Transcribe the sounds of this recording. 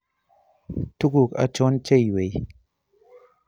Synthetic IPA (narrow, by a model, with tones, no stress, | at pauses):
tu˦ɡu˨ka̰˨t͡ʃo˦nt͡ʃe˦˨jwe˨j